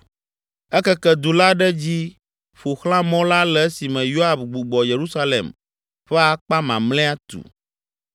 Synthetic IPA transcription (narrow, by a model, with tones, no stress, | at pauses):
ɛ˦kɛ˦kɛ˦d̪u˨la˦ɖɛ˦d͡ʑi˦ | ɸo˨xlã˦mɔ̃˦la˦lɛ˨˦si˨mɛ̃˨jo˦a˦˨bɡ͡bu˨ɡ͡bɔ˨je˨ɾu˦sa˦lḛ˨m | ɸɛ˦a˨k͡pa˦mã̰˨mlɛ̃˦a˦t̪ṵ˨